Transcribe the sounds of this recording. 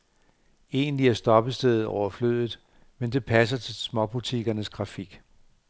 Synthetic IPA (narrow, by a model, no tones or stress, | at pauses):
e̝ːnliæɐsd̥ɒ̽b̥əsd̥eð̩ˠɒ̰ʊ̰ɐflø̰ðˠð̩ˠ | mend̥e̝pʰæs̬ɐt͡sʰe̝lsmɒ̽b̥ut͡sʰiɡ̥ɐnəsɡ̥ʁɑ̈fiɡ̥